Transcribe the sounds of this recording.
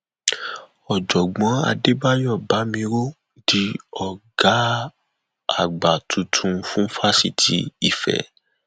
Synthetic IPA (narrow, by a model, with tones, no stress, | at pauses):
ɔ˨d͡ʒɔ˨ɡ͡bɔ̃˨˦a̰˧de˦ba˦jɔ˦˨ba˨˦mĩ˧ɾo˦ | di˧˦ɔ˨ɡa˨˦ | a˦˨ɡ͡ba˨tʰũ˨˦tʰũ˧fũ˦fa˦si˦˨tʰi˦i˦˨fɛ̰˨